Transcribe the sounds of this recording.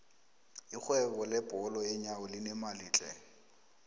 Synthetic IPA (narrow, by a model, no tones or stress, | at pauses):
ik͡xʰwɛbɔlɛbʼɔlɔjeɲaʊlɪnɛmaliːt͡ɬʼɛ̰